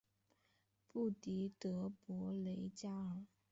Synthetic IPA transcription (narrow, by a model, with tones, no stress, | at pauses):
pu˥˩t̪i˧˥t̪ɤ˧˥pwɔ˧˥le˧˥ɪt͡ɕja˥ə˨˩